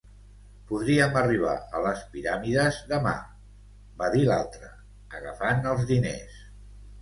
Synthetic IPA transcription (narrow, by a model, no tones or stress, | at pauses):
puðɾiəməriβ̞a̰ələspiɾamiðəzðəma̰ | baðilalˠt̪ɾə | əɣəfanəlˠzðinḛs